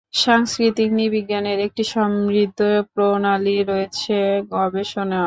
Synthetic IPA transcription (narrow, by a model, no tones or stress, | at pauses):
ʃaŋskɾit̪iknibiɡːaneɾek̚ʈiʃɔmɾid̪ʱːopɾonaliɾoet͡ɕʰeɡɔbeʃona